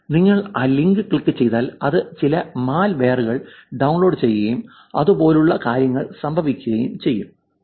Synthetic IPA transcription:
niŋːɐɭaːliŋɡɨkiɭkːɨt͡ɕe̞jt̪aːlɐðɨt͡ɕilɐmaːlʋe̞ːruɣɐɭɖɐwnlo̞ːɖt͡ɕe̞jːɐɣɐjum | ɐ̰ðupo̞ːluɭːɐkaːɾjɐŋːɐɭsɐmbʱɐʋikʲːuɣɐjumt͡ɕe̞jːum

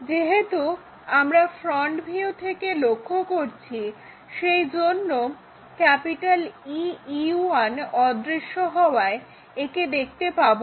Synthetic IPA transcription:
d͡ʑeɦet̪u | amɾafɾɔɳʈbʱiut̪ʰekelokʰːokoɾt͡ɕʰi | ʃejd͡ʑonːo | kɛpiʈaliiuanɔd̪ɾiʃːoɦɔoae | eked̪ek̚ʰt̪epabo

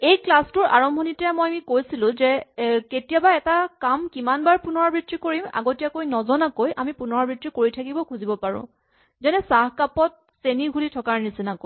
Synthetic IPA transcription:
ejklastʊɹʔaɹɔmbʱɔnitɛjamɔjamikojsilʊ̃zɛketijabaɛtakamkimanbaɹpunɔɹɔbɹitɹikoɹima̰ɡotijakojnɔzɔnakojʔamipunɔɹɔbɹitɹikoɹitʰakibɔkʰuzibɔpaɹʊ̰̃ | zɛnɛsahkapɔt̚ | seniɡʱulitʰɔkaɹnisinakoj

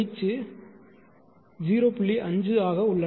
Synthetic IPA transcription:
ɪt͡ʃːɯ | d͡ʒiːɾoːpʊɭːiʔɐɲd͡ʒɯaːɣɐʊɭːɐ

